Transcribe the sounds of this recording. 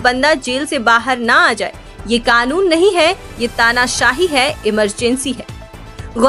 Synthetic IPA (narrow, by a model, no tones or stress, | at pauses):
bɐ̃nd̪ad͡ʒeːlsebaːɦəɾnɐaːd͡ʒa̰ːḛː | jeːkaːnuːnːɐɦĩɦɛ | jet̪aːnaʃaːɦiɦɛɪməɾd͡ʒɛ̃nsiɦɛː | ɣʊ